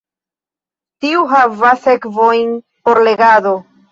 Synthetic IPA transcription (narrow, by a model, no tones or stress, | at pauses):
tiuɦavasekvojn | po̞ɾle̞ɡado̞